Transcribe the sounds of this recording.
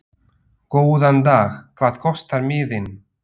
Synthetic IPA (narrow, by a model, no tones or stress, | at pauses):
koːwðant̪aːxkʰv̥aːð̥kʰɔst̪aɾmɪːðɪn